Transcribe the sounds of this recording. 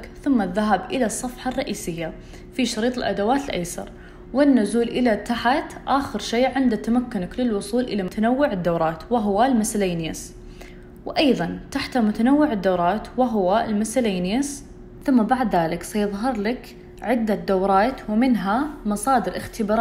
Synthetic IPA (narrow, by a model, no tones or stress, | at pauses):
kθʊmːaðːaɦabʔɪlasˤːɑfħɑrˤːɑʔiːsɪjːa | fiʃɑɾiːt̪ˤɪlʔad̪awaːt̪ɪlʔa̰jsɑ̰ɾˤ | wɪnːʊzuːlʔɪlat̪ːaħat̪ʔaːxɪɾʃeːʕɪnd̪at̪ːamakːʊnaklɪlwʊsˤuːlʔɪlaʊt̪anawːɪʕɪd̪ːawɾˤɑːt̪wɪɦwalmɪslaːnjas | wʔɑjðˤɑnt̪aħt̪amʊt̪anawːɪʕɪd̪ːawɾˤɑːt̪wɪɦʊwalmɪsalaːnjas | θʊmːabaʕd̪ðaːlɪksajɪðˤɦɑɾˤlak | ʕɪd̪ːad̪awɾˤɑːt̪wmɪnɦamɑsˤɑːd̪ɪɾʔɪxt̪ɪbɑːɾˤ